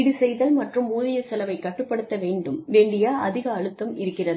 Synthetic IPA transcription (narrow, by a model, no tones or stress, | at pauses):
ɪɽɯsɛjðɐlmɐʈrɯmuːðɪjɐsɛlɐʋɐɪkːɐʈːɯpːɐɽɯt̪ːɐʋeːɳɖɯmʋeːɳɖɪjaːʔɐðɪɣɐːɻɯt̪ːɐmɪ̰ɾɯkːɪrɐðɯ